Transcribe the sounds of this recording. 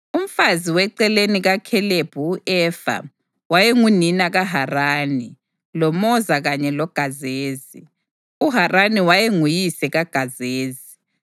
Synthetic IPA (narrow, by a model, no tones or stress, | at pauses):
um̩faziwɛǀɛleniɣakʰɛleb̥ʱuːʔɛːfa̰ | wajeŋuninaɣaɦaraːni | lɔmɔzaɣaɲɛlɔɡ̥ʱazeːzi | uɦaraniwajeŋujisɛɣaɡ̥ʱazeːzi